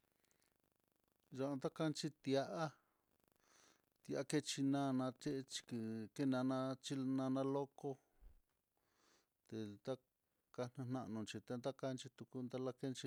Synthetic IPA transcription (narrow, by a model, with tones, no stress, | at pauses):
ʒa˧nd̪a˦ka˦˧nt͡ʃi˧t̪ja˧ʔa˦ | t̪ja˧ʔa˦ke˧t͡ʃi˧nã˦˧nã˧t͡ʃe˦ʔt͡ʃi̥˧kke˦˧nã˧nã˧t͡ʃi˦nã˧nã˧lo˦ko˦ | t̪e˨t̪a˦ | ka˧n̥ũ˧nã˧ʔnũ˨˧t͡ʃi˧t̪e˧nd̪a˦ka˧nt͡ʃi˧t̪u˧ku˧nd̪a˦˧la˦ke˦nt͡ʃi˧